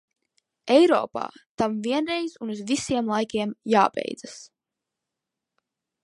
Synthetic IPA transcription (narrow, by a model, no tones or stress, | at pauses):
ɛjɾɔ̰ːpa̰ːt̪amviɛnɾejz̥unuzvisiɛmlˠajkʲiɛmjaːbḛjd̪zas